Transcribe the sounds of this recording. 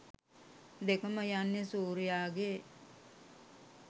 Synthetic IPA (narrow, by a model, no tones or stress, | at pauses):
d̪ekəməjanːesuːɾijaːɡe